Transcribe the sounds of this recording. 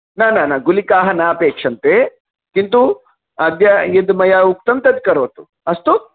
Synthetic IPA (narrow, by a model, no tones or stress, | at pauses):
naːnaːnaːɡulikaːɦɐnaɐpeːkʂɐnt̪e | kint̪u | ɐd̪jɐed̪mɐjauk̚t̪ɐmt̪ɐd̪kɐɾoːt̪u | ɐst̪u